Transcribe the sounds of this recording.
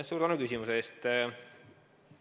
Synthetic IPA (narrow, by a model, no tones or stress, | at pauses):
suːɾt̪ænukysimuseeːst̪